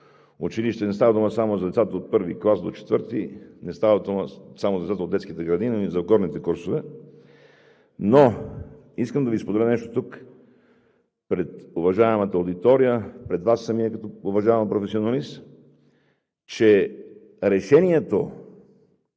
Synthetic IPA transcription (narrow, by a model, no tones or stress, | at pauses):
ʊt͡ʃiliʃt̪ɛnɛst̪avəd̪uməsamozɐd̪ɛt̪sat̪əot̪̚pɤɾviklˠasd̪ot͡ʃɛ̥t̪vəɾt̪inɛst̪avɐd̪uməsamozd̪ɛt̪at̪od̪ɛt̪skit̪ɛɡɾɐd̪inizɐɡɔɾnit̪ɛkuɾsovɛ | no | iskəmd̪ɐviːspod̪ɛlənɛʃt̪o̥t̪uk | pɾɛt̪ʊvɐʒaɛmɐt̪əod̪it̪ɔɾijəpɾɛd̪vasːɐmiɛkɐt̪ɔʊvɐʒaɛmpɾofɛsionɐlis | t͡ʃɛ | ɾɛʃɛniɛt̪o